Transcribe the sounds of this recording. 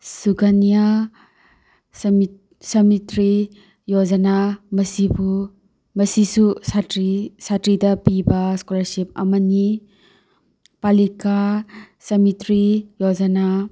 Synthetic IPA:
suɡanija | s | sɐmitɾi | jod͡ʒɐnamɐsibu | mɐsisusatɾisatɾidɐpibɐskulaɾsip̚ɐ̰mɐni | palika | sɐmitɾijod͡ʒɐna

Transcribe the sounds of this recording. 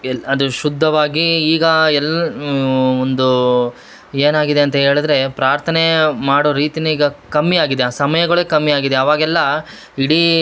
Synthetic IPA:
ɐd̪uʃud̪ʱːɐʋaːɡiːɡɐɛlː | ond̪u | e̞ːnaːɡid̪e̞ɐnt̪ɐɦe̞ːɭid̪ɾe̞pɾaːɾt̪ʰɐne̞maːɽoːɾiːt̪iniːɡɐkɐmːiaːɡid̪eaːsɐmɐjɐɡɐɭekɐmːiaːɡid̪eɐʋaːɡɛlːɐ | iɽi

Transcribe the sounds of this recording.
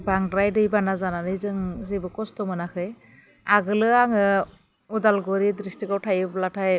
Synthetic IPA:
baŋdɾajdɯjbanazananɯjzɯŋzibɯkɔstɔmɯnakʰɯj | aɡɯlɯaŋɯ | udalɡɔɾidɾistiɡawtʰajɯblatʰaj

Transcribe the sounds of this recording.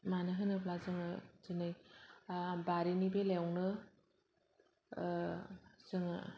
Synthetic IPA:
manɯɦɯnɯpʰlazɯŋɯzɯnɯj | baɾinibelewnɯ | zɯŋ

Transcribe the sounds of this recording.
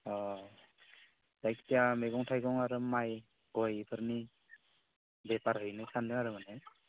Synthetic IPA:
ɔ | z̥ajktijameɡɔŋtʰajɡɔŋaɾɯmaj | ɡɔjpʰɯɾni | bɛpaɾɦɯjnɯsʰandɯaɾɯmanɛ

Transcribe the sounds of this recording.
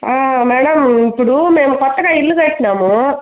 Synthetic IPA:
aːmɛːɽɐmipːɔɽumeːmɐkɔt̪ːɐkaːɪlːɯkaːkːnaːmõ

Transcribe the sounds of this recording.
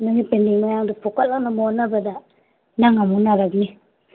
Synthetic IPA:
nuŋipendiŋmajaŋdupʰɔkalaŋnamonabɐda | naŋamunaɾaɡni

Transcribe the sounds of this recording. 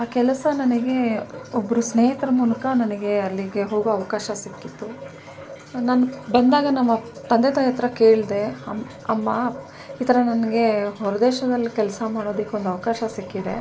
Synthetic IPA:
aːkɛlɐsɐnɐnɐɡe̞obːɐɾusneːɦit̪ɾɐmulɐkɐnɐnɐɡe̞ɐlːiɡe̞ɦo̞ːɡoɐʋɐkaːʃɐsikːit̪ːu | nanbɐnd̪aːɡɐnɐmːɐ | t̪ɐnd̪et̪ɐjɐt̪ɾɐkeːɭid̪e̞ɐm | ɐmːɐ | it̪ʰɐɾɐnɐnɐɡe̞ɦɔɾɐd̪ɛːʃɐd̪ɐlːikɛlsɐmaːɽo̞ːd̪ikːeond̪uɐʋɐkaːʃɐsikːid̪ḛ

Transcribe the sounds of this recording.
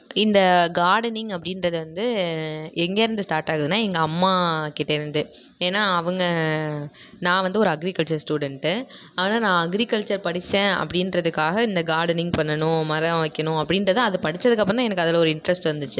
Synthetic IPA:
ɪnd̪ɐɡaːɾɖɐnɪŋɐpːɐɽɪnɾɐðɯʋɐnd̪ɯ | ɛŋɡeːɾɯnd̪ɯsʈaːɾʈaːɣɯðɯnːaːɛŋɡɐːmːaːkɪʈːɐɪɾɯnd̪ɯ | eːnːaːɐʋɐŋɡɐ | nãːʋɐnd̪ɯɔɾɯɐɡɾɪkɐɭt͡ʃɐɾsʈuːɽɛɳʈɯ | aːnaːnãːɐɡɾɪkɐɭt͡ʃɐɾpɐɽɪt͡ʃːẽːɐ̰pːɐɽɪnɾɐðɯkːaːɣɐɪnd̪ɐɡaːɾɽɐnɪŋɡpɐɳːɐnʊ̃mɐɾɐ̃ʋɐɪkːɐnʊ̃ɐpːɐɽɪnɾɐðãːɐðɯpɐɽɪt͡ʃːɐðɯkːɐpːɐnãːɛnɐkːɯɐðɐlːɔɾɯɪɳʈɾɐsʈʋɐɾnd̪ɯt͡ʃːɯ

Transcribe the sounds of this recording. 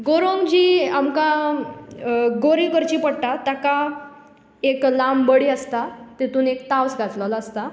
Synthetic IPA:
ɡoɾoŋɡd͡ʑiːamkã | ɡoɾikəɾt͡ɕiːpəɽʈat̪aka | eklambəɽiːəst̪at̪et̪uːnekt̪awsɡat͡sləlaːst̪a

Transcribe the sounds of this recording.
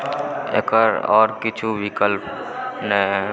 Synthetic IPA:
ḛkəɾɔ̰ːɾkɪt͡ʃʰuʋɪkəlpnɛ

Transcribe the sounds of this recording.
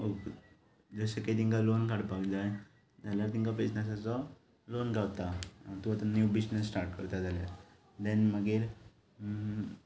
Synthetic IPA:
ok | d͡zəseked̪iŋkalonkaɽpaɡd͡zaj | d͡zʱaljaɾt̪iŋkap̬esnasat͡sɔ | lonɡaʋt̪at̪uat̪anjubisnəsːʈaɾʈ̚kəɾt̪ad͡zalja̰ɾ | d̪ɛ̃nməɡeɾ

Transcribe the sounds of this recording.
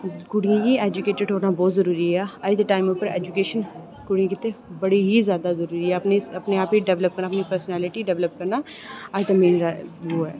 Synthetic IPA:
kʊɽijãkiɛːd͡ʒʊkeːʈəɖɦoːɾnaːbɔːt̪zəɾuːɾiɦɛːəd͡ʒd̪əʈaːɪmʊpːəɾḛːd͡ʒʊkeːʃən | kʊɽijãkɪt̪ːebəɽiɦizjaːd̪azəɾuːɾiɛːɐpneɐpneaːpiɖɛʋləp̚kəɾnaːpnipəɾsnɛːlɪʈiɖɛʋləp̚kəɾnaː | ad͡ʒt̪amĩːnɾaʋoːɦɛː

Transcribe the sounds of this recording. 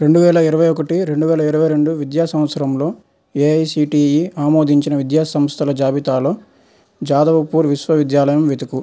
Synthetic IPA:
ɾe̞ɳɖuʋɛːlɐiɾɐʋɐjɔkɐʈiɾe̞ɳɖuʋɛːlɐiɾɐʋɐjɾe̞ɳɖuʋid̪jaːsɐmʋɐt̪sɐɾɐmlo̞ː | eːɐjsiːʈiːjiaːmo̞ːd̪ʱiɲt͡ʃinɐʋid̪jaːsɐmst̪ʰɐlɐd͡ʒaːbit̪aːlo̞ː | d͡ʒaːd̪ɐʋɐpuːɾʋiʃʋɐʋid̪jaːlɐjɐmʋet̪ɐku

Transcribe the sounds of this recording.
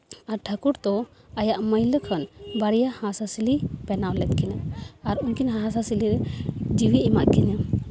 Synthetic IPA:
aɾʈʰəkuɾt̪ɔ | ajaʔməjləkʰənbaɽijahãsasilipɛnawlɛt̪̚kɛɲaaɾuɲkinɦããsasiliɾɛd͡ʒiwiʔimaʔkɛɲa

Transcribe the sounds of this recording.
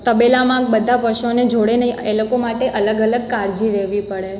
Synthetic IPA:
t̪əbelamãk̚bəd̪ʱapəʃoned͡ʒoɽenəielokomaʈeʔələɡələɡ̚kaɾd͡ʒiɾeʋipəɽe

